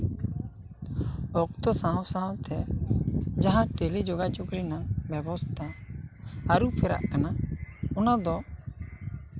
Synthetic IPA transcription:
ɔk̚t̪ɔsãwsãwt̪ɛ | d͡ʒaɦãʈelid͡ʒoɡat͡ʃukɾinaŋbɛbɔst̪ʰaː | ɾupʰɛɾa̰ʔkanaɔnad̪ɔ

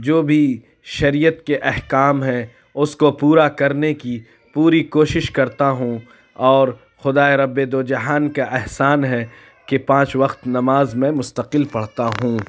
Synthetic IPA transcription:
d͡ʒoːbʱi | ʃɐɾijət̪keʔɛɦkaːmɦɛ̃ | ʊskopuːɾakɐɾneki | puːɾikoːʃɪʃkɐɾt̪aɦũ | ɔːɾ | xʊd̪aːeɾɐbːed̪oːd͡ʒɐɦaːnkaʔɛɦsaːnɦɛ | kepãːt͡ʃʋɐqt̪nɐmaːzmẽmʊst̪əqɪlpɐɽt̪aɦũ

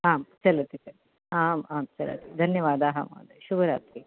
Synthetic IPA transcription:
aːmt͡ʃɐlɐt̪isɐɾ | aːmaːmt͡ʃɐlɐ̰t̪id̪ʱɐnjɐʋaːd̪aɦɐma̰ːd̪eʃubɐɾa̰ːt̪ɾi

